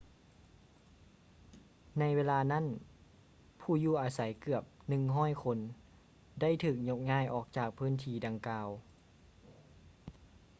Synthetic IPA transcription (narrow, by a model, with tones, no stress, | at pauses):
na˧˥jweː˧laː˧na˥˨n | pʰuː˧˩juː˧˩ʔaː˧sa˨˦jkɯ˧˩əp̚nɯ˨˩ŋɦɔː˥˨jkʰo˧˥n | da˥˩˨jt̪ʰɯː˨˩k̚ɲo˧˥k̚ŋaː˥˩˨jʔɔː˨˩k̚t͡ɕaː˨˩k̚pʰɯː˧˥˨nt̪ʰiː˧˩da˧ŋkaː˧w